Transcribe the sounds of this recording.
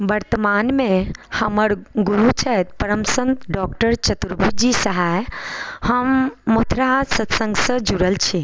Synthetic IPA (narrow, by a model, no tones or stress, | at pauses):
ʋɐɾt̪əmaːnmẽhɐməɽɡuɾut͡ʃʰəɦt̪̚pɐɾəmsə̃nt̪ɖɔːkʈəɾt͡ʃɐt̪ɾbʱud͡ʒisɐɦaːjhɐmːot̪ʰɾasɐt̪sə̃ŋɡsəd͡ʒuɾəlt͡ʃʰi